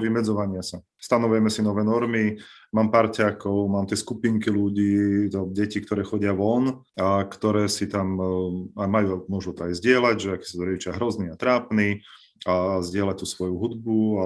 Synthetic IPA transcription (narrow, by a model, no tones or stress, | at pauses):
ʋimɛd͡zɔʋaɲɪasa | st̪anɔʋujɛmɛsinɔʋɛːnɔɾmimaːmpaɾcaːkɔʊmaːmt̪ɪɛskupiŋkiluɟiːɔɟɛcik̚t̪ɔɾɛːxɔɟɪaʋɔn | akt̪ɔɾɛːsit̪amamajuːmʊɔʒut̪ɔajzɟɪɛlaɟʒɛakɛ̥sat̪ɔɾɛɟit͡ʃɪaɦɾɔzniat̪ɾaːpni | azɟɪɛlac̚t̪usʋɔjuɦud̪bua